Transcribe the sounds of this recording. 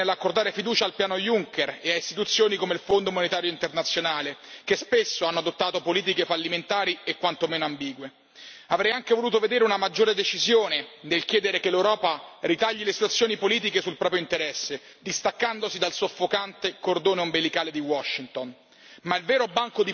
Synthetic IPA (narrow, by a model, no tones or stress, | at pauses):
elːakːord̪aːɾefid̪uːt͡ʃaːlpjaːnojuŋkereaist̪it̪ut̪sːjoːnikomeilfond̪omonet̪aːɾjoint̪ernat̪sːjonaːlekespesːoanːoad̪ot̪ːaːt̪opoliːt̪̬ikefalːiment̪aːɾiekwant̪omeːnoambiːɡwe | avɾɛjaŋkevoluːt̪oved̪eːɾeunamad͡ʒːoːɾed̪et͡ʃizjoːnenelk̟jɛːd̪eɾekelːewɾɔːparit̪aʎːilesit̪wat̪sːjoːnipoliːt̪̬ikesulpɾɔːpɾjoint̪eɾɛsːe | d̪ist̪akːand̪osid̪alsofːokant̪ekord̪oːneombelikaːled̪iwɔʃːint̪on | mailvɛːɾobaŋkod̪i